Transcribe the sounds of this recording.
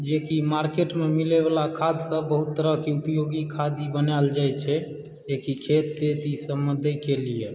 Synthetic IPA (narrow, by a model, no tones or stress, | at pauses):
d͡ʒekimaɾkeʈmemilebalakʰad̪sə̃bəɦut̪ːəɾəɦkeupjoɡikʰad̪ibənald͡ʒajt͡ʃʰɛ | ekikʰet̪d̪et̪isəməd̪ʱəkelije